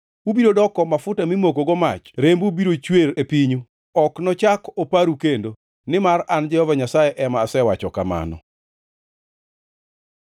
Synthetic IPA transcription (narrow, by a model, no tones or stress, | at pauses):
ubiɾodɔkɔmafʊtamimokoɡɔmat͡ʃɾembubiɾot͡ʃweɾepiɲu | ɔknɔt͡ʃakopaɾukendo | nɪmarand͡ʒɛhɔvaɲasajeʔɛmaːsɛwat͡ʃɔkama̰nɔ̰